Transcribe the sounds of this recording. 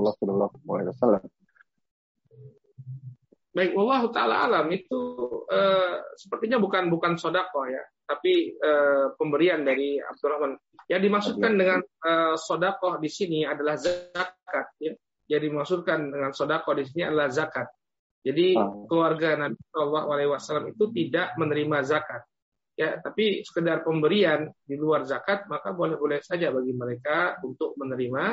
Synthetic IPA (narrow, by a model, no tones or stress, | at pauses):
lːsɔlɔlːɔa̰lawasala | baɪkwɑlˠːɑɦut̪aala̰a̰lamit̪uəːsə̥pərt̪iɲabukanbukansodakɔhja̰t̪apiəːpəmbəɾiandaɾia̰b̚durɔhman | jadimaksut̪̚kandəŋanəsodakɔhdisiniadalahzakat̪̚ja | jadimaksut̪̚kandəŋansodakɔhdis̬inia̰dalahzakat̪̚ | d͡ʒadikəluarɡanabisɔlːaɦualawasalamit̪ut̪idaʔmənəɾimazakat̪̚ | jat̪apisə̥kədarpəmbəɾiandiluarzakat̪̚makabolɛhbolɛhsad͡ʒabaɡiməɾekaunt̪ʊk̚mənəɾima